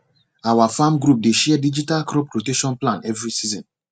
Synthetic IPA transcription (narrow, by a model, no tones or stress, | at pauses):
awafamɡɾup̚deʃɛadid͡ʒitalkɾɔpɾoteʃɔ̃nplãnɛvɹisizɔ̃n